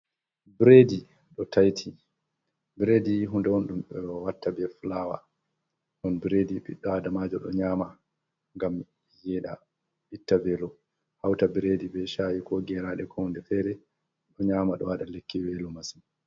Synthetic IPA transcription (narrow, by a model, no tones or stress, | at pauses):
bɾedi | ɗɔtajtʰi | bɾediɦundɛwonɗumɓɛwatːabɛfulawa̰ | nɔnbɾediɓiɗɔadamad͡ʒɔɗɔ̰ɲaːma | ŋɡam | jɛɗa | ɓitːabɛlɔ | hawtabɾedibɛʃajikɔɡɛɾaɗɛkʰɔhundɛfɛːɾɛ | ɗɔɲaːmaɗɔaɗalekːiwɛlɔmasi̥